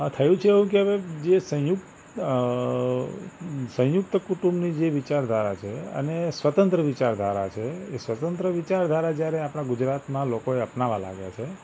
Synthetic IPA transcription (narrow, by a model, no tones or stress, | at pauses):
ət̪ʰəjũt͡ʃʰeːʋũk̬eəʋed͡ʒesə̃jukt̪ | sə̃jukt̪əkuʈũmnid͡ʒeʋit͡ʃaɾd̪ʱaɾat͡ʃʰeə̰nesʋət̪ə̃nt̪ɾəʋit͡ʃaɾd̪ʱaɾat͡ʃʰeesʋət̪ə̃nt̪ɾəʋit͡ʃaɾd̪ʱaɾad͡ʒjaɾeapɽ̃ãɡʊd͡ʒɾat̪mãlokoeəpnaʋala̰ɡja̰t͡ʃʰe